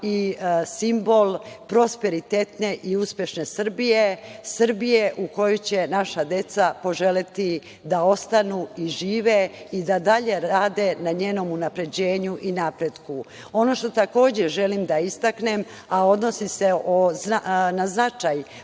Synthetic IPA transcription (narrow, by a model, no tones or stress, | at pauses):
isimbo̞lpɾo̞speɾit̪et̪ne̞ʔiuspje̞ʃne̞sr̩bijesr̩bije̞ʔuko̞jojt͡ɕe̞naʃad̪e̞t̪sapo̞ʒe̞let̪i | d̪ao̞st̪anuiʒiːʋeid̪ad̪aʎe̞ɾaːd̪e̞naɲeːno̞munapɾe̞d͡ʑe̞ːɲuʔinapɾe̞d̪ku | o̞no̞ʃt̪o̞t̪ako̞ːd͡ʑeʒe̞limd̪aist̪akne̞m | ao̞d̪no̞siseʔoanaznat͡ʃaj